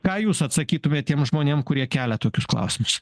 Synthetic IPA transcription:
kɑːjuːsɐt̪sɐkʲiːt̪ʊmʲeːt̪t̪ʲiɛmʒmoːnʲeɛmkʊɾʲiɛkʲæːlʲɛt̪oːkʲʊsklˠɐ̰ʊsʲɪmʊs

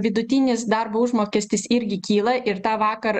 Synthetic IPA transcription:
ʋʲɪd̪ʊt̪ʲɪnʲɪsd̪ɐɾboːʊʒmoːkʲɛsʲt̪ʲɪsɪɾʲɡʲɪkʲiːlˠɐʔɪɾt̪ɑːʋɑːkɐɾ

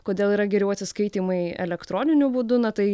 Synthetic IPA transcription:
koːd̪ʲeːlˠiːɾɐɡʲɛɾʲɛʊɐt̪ʲsʲɪskɐɪt̪ʲiːmɐɪɛ̰lʲɛkt̪ɾoːnʲɪnʲʊbuːd̪ʊnɐt̪ɐɪ

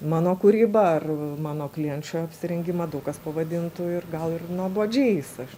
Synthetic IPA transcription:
mɑːnoːkʊɾʲiːbɐɐrmɑːnoːklʲiɛnʲt͡ʃʲoːɐpʲsʲɪɾʲɛŋʲɡʲɪmɐd̪ɐʊkɐspɐʋɐd̪ʲɪnt̪ʊɪrɡɐlˠɪrnuɔboːd͡ʒʲeːsɐʃ

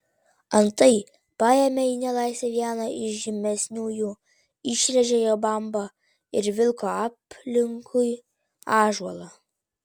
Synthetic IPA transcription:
ɐnt̪ɐɪ | pɑːjɛmʲeiːnʲɛlˠɑˑɪsʲeʋʲiɛnɐɪʃʒʲɪmʲɛsʲnʲuːjuː | ɪʃʲɾʲɛʒʲɛjoːbɐmbɐ | ɪɾʋʲɪlˠkoːɑːpʲlʲɪŋkʰʊj | ɑːʒuɔlˠɐ

